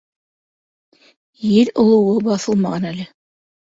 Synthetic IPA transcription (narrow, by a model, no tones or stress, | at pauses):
jɘɾŏlˠɤ̆wɤbɑθɤlˠmɑʁɑnælɘ